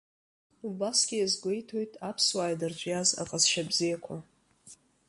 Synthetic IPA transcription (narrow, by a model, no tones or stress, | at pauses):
ubasɡʲɪjazɡʷe̞jtʰo̞jtʼapʰswaːjdɨrt͡ʃʷʼjaza̰qʼazʃabzijakʷʰa